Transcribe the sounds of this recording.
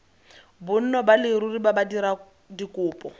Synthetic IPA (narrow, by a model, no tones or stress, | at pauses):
bʊn̩nɔbalɪɾuribabadiɾa | dikʼʊːpʼɔ